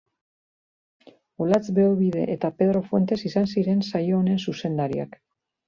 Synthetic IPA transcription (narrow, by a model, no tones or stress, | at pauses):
olat͡sbe̞oβiðe̞ʔet̪ape̞ð̞ɾo̞fwe̞nt̪e̞sisansiɾe̞nsajo̞ːne̞nsuse̞nd̪aɾia̰k